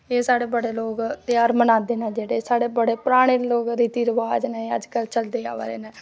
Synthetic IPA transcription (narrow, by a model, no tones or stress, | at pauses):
eːsaːɽeːbəɽeːloːkt̪eaːɾmənãːd̪eːnɛ̃ːd͡ʒeːɽeːsaːɽeːbəɽeːpɾaːɽ̃eːloːkɾiːt̪iːɾəʋaːd͡ʒnɛ̃ːeə̰d͡ʒkəlt͡ʃəld̪eːa̰ːʋa̰ːɾḛːnɛ̃ː